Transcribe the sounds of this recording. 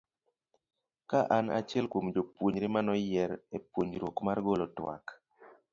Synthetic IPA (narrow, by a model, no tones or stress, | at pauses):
kaʔana̰t͡ʃjɛlkomd͡ʒopwoɲɾɪmanɔjɛɾepwoɲɾwokmarɡolɔtwa̰k